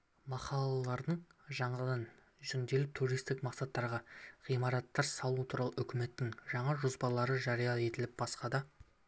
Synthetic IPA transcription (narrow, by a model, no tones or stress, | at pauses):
mɑqɑlˠɑlˠɑɾd̪əɴʒɑɴɑd̪ɑn | ʒʏnd̪e̞lɪp̚t̪ʰuɾijst̪ɪkmɑqsɑt̪ːɑɾʁɑʁijmɑɾɑt̪ːɑɾsɑlˠuət̪ʰuɾɑlˠəʏkʲɪme̞t̪ːɪŋʒɑɴɑʒʊzbɑlˠɑɾəʒɑɾijɑe̞t̪ɪlɪp̚bɑsqɑd̪ɑ